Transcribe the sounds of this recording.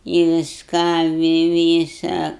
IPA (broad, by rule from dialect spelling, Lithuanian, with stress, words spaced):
ɪ ʋʲɪsˈkɑː ʋʲɪ ˈʋʲiːsɐ